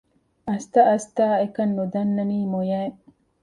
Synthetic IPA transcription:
ɐst̪ɐʔɐst̪aːekɐnːud̪ɐnːɐniːmojɐe

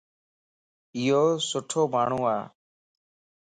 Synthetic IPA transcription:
ɪɦoːsʊʈʰoːmaːɳ̤ũːaː

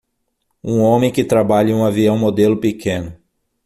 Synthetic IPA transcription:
ũõmẽj̃kɪt̪ɾabaʎɐ̃ũaviɐ̃w̃mod̪elʊpikʰẽnʊ

